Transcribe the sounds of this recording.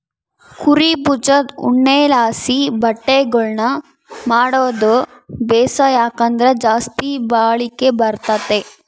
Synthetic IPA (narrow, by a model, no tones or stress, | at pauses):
kʰuɾiput͡ʃɐd̪ṵɳːelaːsibɐʈːeɡɐɭnɐ | maːɽoːd̪o | bɛːsɐjaːkɐnd̪ɐɾed͡ʒaːst̪ibaːɭikebɐɾt̪ɐt̪e